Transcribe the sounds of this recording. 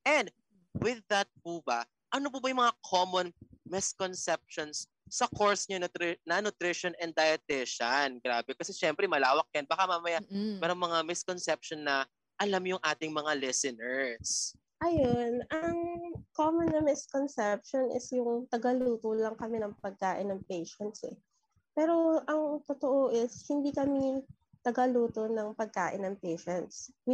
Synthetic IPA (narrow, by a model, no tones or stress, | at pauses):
ʔɛnd̪̚ | wɪðːɐt̪̚pubɐ | ʔɐnopʊbɐjʊŋmɐŋakʰomonmɪskonsɛp̚ʃonsː | ɐkoɹsɲɐnʊt̪ɾɪnɐnʊt̪ɾɪʃonɛnd̪ɐjɐt̪ɛʃɐnɡɾaːbɛkɐsɛʃɛmpɾɛmɐlaːwɐk̚jɐnbakamamɐjammɛːɾɐŋmɐŋamɪskonsɛp̚ʃonːɐ | ʔɐlamjʊŋʔaːt̪ɪŋmɐŋalɛsɛnɛɹs | ʔɐjonʔɐŋkomonːɐmɪskonsɛp̚ʃonʔɪ̰sjʊŋt̪ɐɡɐluːt̪olɐŋkɐmɛnɐŋpɐɡ̚kaːʔɪnːɐŋpejʃɐnt̪sɛ̰ | pɛːɾo̞ʔɐŋt̪ot̪oʔoʔɪshɪnd̪ikɐmi | t̪ɐɡɐluːt̪onɐŋpɐɡ̚kaːʔɪnːɐŋpejʃɛnt̪swɪ